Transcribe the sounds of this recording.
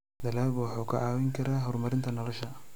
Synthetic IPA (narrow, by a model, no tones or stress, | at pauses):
d̪ɐlaːlbwɑħuːkʰɐʔɑːwɛŋkʰɐɾaːɦɔrmɐɾɪnt̪ʰɐnɐlɔʃɐ